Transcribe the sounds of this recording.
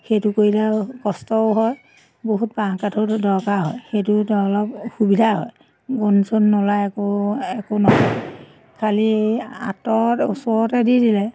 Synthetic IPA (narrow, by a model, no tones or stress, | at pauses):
xejtʊkoɹilɛkɔstɔʊɦɔj | boɦut̚baŋkatʰɔdɔɹkaɦɔjxejtʊtɔlɔbxubidʱaɦɔ̰j | ɡonsonːɔlajɛkoɛkonɔɦɔj | kʰalia̰tɔṵsɔɹɔtɛdidilɛ